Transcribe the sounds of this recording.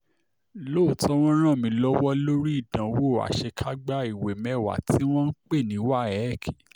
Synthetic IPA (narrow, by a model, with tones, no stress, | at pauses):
lo˦˨tʰɔ˦w̃ɔ̃˦ɾ̃ã˦˨mĩ˧lɔ˦wɔ˦lo˦ɾi˦i˦˨dã˨˦wo˦˨a̰˨ʃe˧kʰa˦ɡ͡ba˦i˨we˨mɛ˨wa̰˨tʰi˨˦w̃ɔ̃˦n̩˦k͡pe˦˨nĩ˨˦wa˦˨ɛ˨˦˨kʰi̥˨